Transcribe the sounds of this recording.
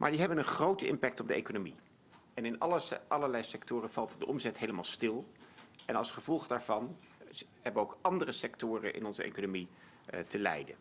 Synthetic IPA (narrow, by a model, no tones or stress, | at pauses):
mʔaːɹdiɦɛbənənχrowtəʔɪmpɛk̚tɔb̚dəḛjkonomi | ɛnɪnʔɑləɹlɛjsɛktʊːrəv̥ɑlˠtdəʔɔmzɛtɦejləmaːlˠstɪlˠɛnɑlˠsχəv̥ɔlˠχdaːɹvɑn | ɦɛbənowkʔɑndərəsɛktʊːrə̰nʔɪ̰nɔnzəʔḛjkonomi | təlɛ̰jdə̰n